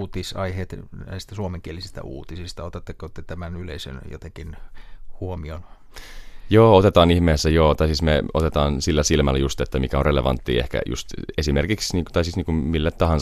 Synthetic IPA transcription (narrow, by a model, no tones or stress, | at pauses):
t̪isɑihet̪næ̰ist̪ːæsuomeŋkielisist̪æ̰ʔṵːt̪isist̪ɑot̪et̪ːekːot̪ːet̪æmænylḛisø̰njo̰t̪ekinhuomion | joːot̪et̪ɑːnihmeːsːæjoːt̪ɑisismeot̪et̪ɑːnsilːæsilmælːæjust̪et̪ːæmikæonreleʋɑ̰nt̪ːḭːḛhkæ̰jṵst̪esimerkiksniːŋt̪ɑisisniːŋkummilːætt̪ɑhɑn